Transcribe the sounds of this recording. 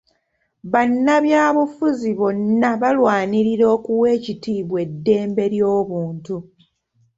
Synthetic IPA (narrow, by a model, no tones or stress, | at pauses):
βanːaβjaːβufuziβonːaβalwaːniɾiɾo̞ːkuwe̞ːcitiːβwe̞dːe̞ːmbe̞ɾjo̞ːβuːntu